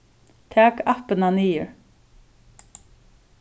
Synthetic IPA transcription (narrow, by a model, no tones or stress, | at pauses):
t̪ʰæːkɑpənɑniːəɹ